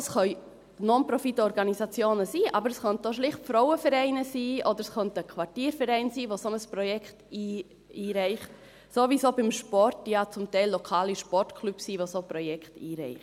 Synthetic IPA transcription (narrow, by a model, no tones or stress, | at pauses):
əsχœʏ | nonpɾɔfitəɔɾɡɑnisɑt͡sjoːnəsiːʔɑ̰bəɾəsχœnt̚doʃ̬lɪχtfɾɔʊəfɛɾɛɪnəsiːʔod̪əɾɛsχœntəkʰʋɑrtiːɾfɛɾɛɪnsiːʋosonəspɾɔjɛkχtiː | iːɾɛɪχt | soːviːsoːbɪmʃpɔrtjɑt͡sʊmtɛɪlːokʰɑːliʃpɔrtkʰlypsiːʋosopɾɔjɛkχtiːɾɛ̰ɪχt